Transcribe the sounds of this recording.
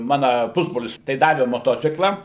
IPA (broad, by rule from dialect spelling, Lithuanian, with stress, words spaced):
ˈmɑːnɐ ˈpʊzbroːlʲɪs tɐɪ ˈdɑːʋʲɛ moːˈtoːt͡sʲɪklˠɐ